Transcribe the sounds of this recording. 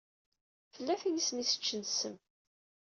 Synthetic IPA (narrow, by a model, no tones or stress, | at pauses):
fəlːæfijisnisə̥t͡ʃːənsəm